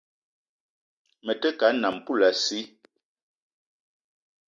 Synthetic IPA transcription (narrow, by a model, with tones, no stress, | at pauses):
mə˨tə˦ka˨˦na˨m̩˨pu˦˨la˨si˦